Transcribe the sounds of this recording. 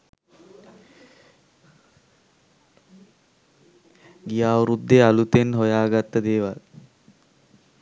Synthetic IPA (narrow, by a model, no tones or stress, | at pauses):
ɡijaːʋɾud̪ːealut̪enɦojaːɡat̪ːəd̪eːʋal